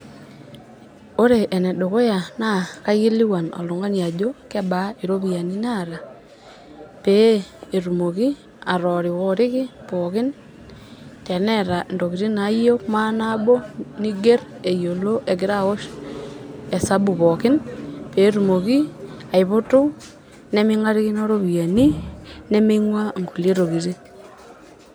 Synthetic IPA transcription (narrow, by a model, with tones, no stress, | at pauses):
o˦ɾe˨ʔɛ˨nɛ˨do˨ko˦ja˨na˦ka˦jɪ˦li˦wa˨nɔ̰˨lʊ˨ŋa˦ɲa˨d͡ʒo˦kɛ˦ba˨˦i˨ɾo˦bi˨ja˨ni˦na˦˨ɾa˨ | peː˨˦˨ɾu˨mo˨ki˦ | a˨ɾɔ˨ɾɪ˨wɔ˦ɾɪ˦kɪ˦pɔ˨kɪ˦n | tɛ˨nɛ˦ɾa˨ndo˨ki˨ɾi˦na˨˦jo˦kma˦na˦bo˦ni˦ɡe˦ɾe˨jo˨lo˦ʔe˨ɡɪ˨˦ɾa˦˨ɣo˦ʃ | e˨sa˦bu˨βɔ˨kɪ˦npe˨˦ɾu˨mo˨ki˦a˨ɪ˨βo˦to˦ | nɛ˦mɪ˦ŋa˦ɾɪ˦ɣɪ˦no˦ɾo˦βi˨ja˨ni˦nɛ˦me˦ŋwa˦ŋɡu˨le˦ɾo˨ki˨ɾi˦